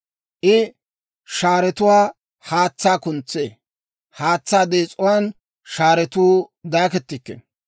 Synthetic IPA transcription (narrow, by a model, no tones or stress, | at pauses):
ʔɪ | ʃaːɾɛt̪ʊwaː | haːt͡sːaːkʊnt͡sːḛː | haːt͡sːaːd̪eːt͡sʼʊwaːn | ʃaːɾɛt̪uːd̪aːkɛt̪ːɪkːḛ